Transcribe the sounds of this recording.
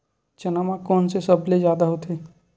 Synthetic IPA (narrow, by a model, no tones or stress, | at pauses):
t͡ʃənamãkɔːnsesəblezjaːd̪aɦot̪ʰeː